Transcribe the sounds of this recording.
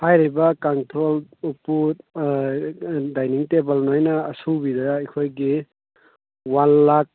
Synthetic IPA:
hajɾibakaŋtʰɾolupːu | dajniŋtebalnojnaːsubidaikʰojɡi | wanːak̚

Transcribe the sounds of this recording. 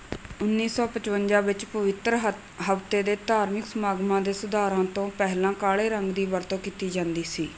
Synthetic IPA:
ʊnːiːsɔːpət͡ʃʋənd͡ʒãːʋɪt͡ʃpəʋɪt̪ɾə | ɦəpt̪eːd̪eːt̪aːɾmɪksəmaːɡmãːd̪eːsʊd̪aːɾãːt̪õːpɛɦlãːkaːɭeːɾəŋɡd̪iːʋəɾt̪õːkiːt̪iːd͡ʒãːnd̪iːsiː

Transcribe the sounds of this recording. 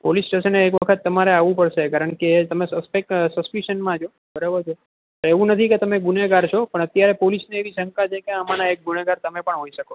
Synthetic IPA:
polisʈeʃəneek̬ʋəkʰət̪ːəmaɾeaʋũpəɽʃekaɾəɳket̪əmesəspeksəspiʃənmãd͡ʒʰo | bʱəɾeʋot͡ʃʰo | t̪oeʋũnət̪ʰiket̪əmeɡuneɡaɾt͡ʃʰopəɳət̪jaɾepolisneeʋiʃəŋkat͡ʃʰekeəmanaek̚ɡuneɡaɾt̪əmepəɳɦoiʃəkoo

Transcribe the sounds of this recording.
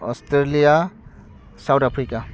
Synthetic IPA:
ɔ̰stɾelija | sawtapʰɾika

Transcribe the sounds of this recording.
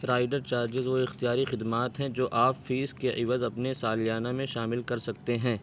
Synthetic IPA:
ɾaːɪɖəɾt͡ʃaːɾd͡ʒɪzʋoɪxt̪ijaːɾixɪd̪maːt̪ɦɛ̃d͡ʒoːʔaːffiːskeʔɪʋəzɐpnesaːlijaːnamẽʃaːmɪlkɐɾsɐk̚t̪eɦɛ̃ː

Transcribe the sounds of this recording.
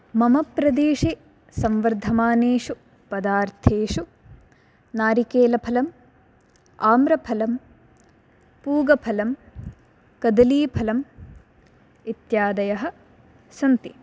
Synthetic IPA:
mɐmɐpɾɐd̪eːʂi | sɐmʋɐɾd̪ʱɐmaːneːʂu | pɐd̪aːɾt̪ʰeːʃu | naːɾikeːlɐpʰɐlɐm | aːmɾɐpʰɐlɐm | puːɡɐpʰɐlɐm | kɐd̪ɐliːpʰɐlɐm | it̪jaːd̪ɐjɐɦɐ̆ | sɐnt̪i

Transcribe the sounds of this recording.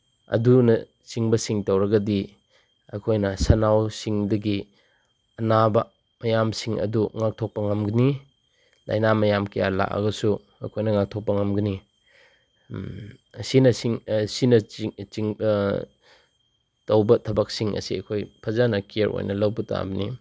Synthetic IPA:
ɐ̰dunɐ | t͡ʃiŋbɐsiŋtɐwɾɐɡɐdi | ɐkʰojnɐsɐnawsiŋdɐɡi | ɐnabɐ | mɐjamsiŋɐ̰duŋak̚tʰok̚pɐŋɐmɡɐni | la̰jnamɐjamkɐja̰la̰kɐ̰ɡɐsu | ɐ̰kʰojnɐŋak̚tʰok̚pɐŋɐmɡɐni | sinɐsiŋsinɐt͡ʃiŋ | tɐwbɐtʰɐbɐk̚siŋʔɐ̰siɐ̰kʰojpʰɐzanɐkeɾʔo̰jnɐlɐwbɐta̰bɐni

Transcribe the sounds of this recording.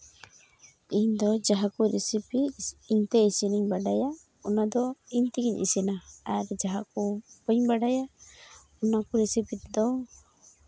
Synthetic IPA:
iɲd̪ɔd͡ʒaɦakuɾɛsipiːɲt̪ɛisiniɲbaɖaja | ɔnad̪ɔiɲt̪iɡiɲʔḭsinaaɾd͡ʒaɦakubɔɲbaɖaja | ɔnakuɾɛsipit̪ɛd̪ɔ

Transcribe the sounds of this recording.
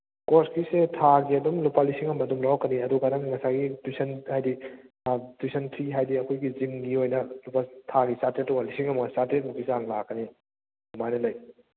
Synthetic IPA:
koɾskisetʰaɡiɐdumlupalisiŋɐmɐdumɾawkɐniɐduɡaɾaŋŋɐsaɡidusɐnhajdi | dusɐntʰɾiɦajdiɐkʰojɡizimɡiojnɐlupatʰaɡisatɾet̚ːukalisiŋɐmɐɡasatɾet̚mukisaŋlakːɐni | umajnɐlɐj

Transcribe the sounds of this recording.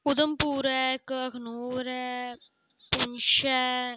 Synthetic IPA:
ʊd̪əmpuːɾɛkəkʰnoːɾɛː | pʊnʃɛ

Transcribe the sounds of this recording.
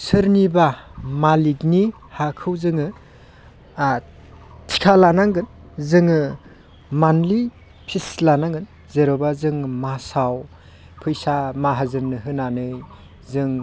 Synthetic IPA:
sɯɾnibamalik̚ni | hakʰɯwzɯŋɯ | tʰi̥kʰalanaŋɡɯn | zɯŋɯ | manli | pʰislanaŋɡɯn | zeɾɔbazɯŋmasaw | pʰɯjsamaɦazɯnnɯɦɯnanɯj | zɯŋ

